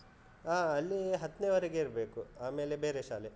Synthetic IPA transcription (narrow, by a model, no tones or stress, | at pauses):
aːɐlːiɦɐt̪ːneːʋɐɾeɡeiɾbe̞ːkuaːme̞ːlebeːɾeʃaːle